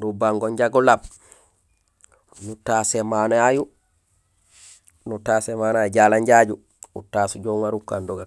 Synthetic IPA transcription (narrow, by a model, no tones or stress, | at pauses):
ndubaŋɡɔɲd͡ʒaɡɔlab | nutasɛmanaju | nutasɛmanajd͡ʒalaɲd͡ʒad͡ʒu | ṵtasud͡ʒɔŋaɾukːandɔɡa